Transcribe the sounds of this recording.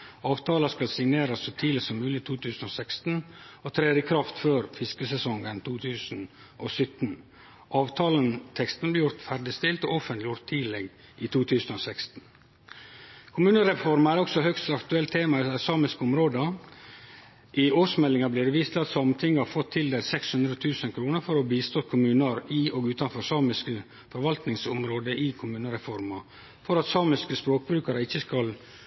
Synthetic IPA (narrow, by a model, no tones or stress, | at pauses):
ɑːʋt̪ʰɑːlɑskɑlsɪŋneːɾɑsːɔt̪ʰiːlɪsɔmʉːlɪt̪ʰuːt̪ʰʉːsn̩ɔsɛkst̪n̩ɔt̪ʰɾeːd̪ɪkʰɾɑft̪føːɾfɪskəsɛsɔŋənt̪ʰuːt̪ʰʉːsn̩ | ʔosʏt̪n | ʔɑːʋt̪ʰɑːlənt̪ʰɛkst̪n̩blɪːjʊɾt̪fæɾɖɪst̪ɪlt̪ɔ̰ɔfənt̪lɪjʊɾt̪ʰːiːlɛɡ | ʔɪt̪ʰuːt̪ʰʉːsnosɛkst̪n̩ | kʰʊmʉːnəɾɛfɔɾmɑæɾɔksɔhœkst̪ɑkt̪ʉɛlt̪ʰeːmɑæsɑːmɪskəʊmɾoːd̪ə | ʔɪoːsmɛlɪŋɑblɪɾʋiːst̪ʰɪlɑt̪sɑmt̪ʰɪŋːəɑɾfɔt̪ʰːɪld̪eːlsɛkshʉnd̪ɾəɔt̪ʰʉːsənkʰɾuːnəɾfɔɾɔbiːst̪oːkʰʊmʉːnəɾɪʔɔɡʉːt̪ɑnfɔsɑːmɪskə | fɔɾʋɑlt̪nɪŋsɔmɾoːd̪əʔɪkʰʊmʉːnəɾɛfɔɾmɑ | fɔɾɑt̪sɑːmɪskəspɾoːk̚bɾʉːkɑɾəɪçːəskɑl